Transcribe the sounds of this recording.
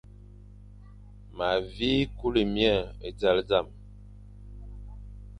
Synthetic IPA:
ma˨vi˦ku˦li˨mja˦˨e˨d͡za˨˦ld͡za˦˨m

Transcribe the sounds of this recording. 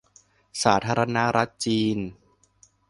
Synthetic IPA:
saː˩˦t̪ʰaː˧ɾa˧na˦˥ɾʔa˦˥t̪̚t͡ɕiː˧n

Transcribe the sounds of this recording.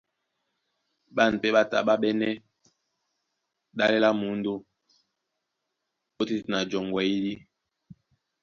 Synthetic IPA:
ɓa˦˨n˨pɛ˦ɓa˦ta̰˨ɓa˦ɓɛ˦nɛ˦ | ɗa˦lɛ˦la˦mu˨˦n̩˦do˦ | o˦ti˦˨na˨d͡ʒɔ˨ŋɡwɛ˨i˦li˦

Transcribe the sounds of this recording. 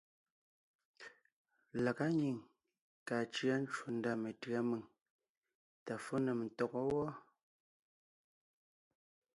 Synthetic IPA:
la˨ka˦ɲi˨ŋ | kaː˨t͡ʃɰa˦n̩˦t͡ʃwu˨n̩˦da˦˨me˨tɰa˦mɨ˨ŋ | ta˨fo˦nɛ˨m˨n̩˨tɔ˨kɔ˦wɔ˦

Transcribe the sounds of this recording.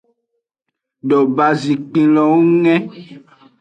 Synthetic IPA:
ɖo˨ba˨zĩ˨k͡pĩ˨lɔ̃˨wu˦ŋɛ̃˦

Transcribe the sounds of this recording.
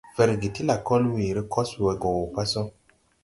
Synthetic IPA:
vɛ˨ɾɡe˨ti˦la˨kɔ˦lwi˨ɾi˦kʰɔ˦swɛ˨ɡɔ˨wo˨pa˦sɔ˦

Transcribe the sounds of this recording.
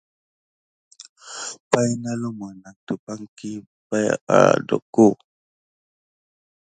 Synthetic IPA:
pa˦jna˦lo˦ma˨na˨k̚tu˨pa˦ŋki˦ | pa˦ja̰˨dɔ̰˨ko˦

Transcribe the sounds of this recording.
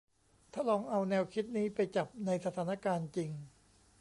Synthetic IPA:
t̪ʰaː˥˩lɔː˧ŋʔa˧wnɛː˧wkʰi˦˥t̪̚niː˦˥pa˧jt͡ɕa˨˩p̚na˧jsa˧t̪ʰaː˩˦na˦˥˧kaː˧nt͡ɕi˧ŋ

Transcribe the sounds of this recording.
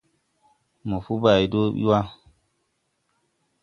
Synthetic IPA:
mo˨fu˦ba˨i˨do˦ɓḭ˦wa˦

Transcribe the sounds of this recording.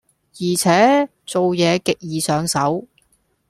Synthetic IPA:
jiː˨˩t͡sʰɛː˨˥ | t͡so˨wjɛː˨˧kɪ˨k̚jiː˨sœː˨˧ŋsɐ˨˥w

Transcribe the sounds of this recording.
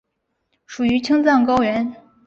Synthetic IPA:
ʂu˨˩y˧˥t͡ɕʰi˥ŋt͡sɑ˥˩ŋkɑ˥ʊɥɛ˧˥n

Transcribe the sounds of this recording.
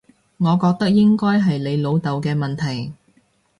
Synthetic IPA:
ŋɔː˨˧kɔː˧k̚t̪ɐ˥k̚jɪ˥ŋkɔː˥jɦɐ˨jle˨˧jlo˨˧wt̪ɐ˨˧wkɛː˧mɐ˨nt̪ʰɐ˨˩j

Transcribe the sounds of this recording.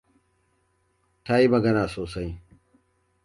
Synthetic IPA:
taː˦i˦mɐ˨ɡɐ˦naː˨soː˨sɐ˦j

